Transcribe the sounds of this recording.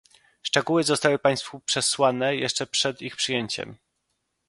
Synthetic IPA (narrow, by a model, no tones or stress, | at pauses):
ʂt͡ʂɛɡuwɘzɔst̪awɘpaj̃st̪fupʂɛswanɛjɛʂt͡ʂɛpʂɛd̪ixpʂɘjeɲt͡ɕɛ̰m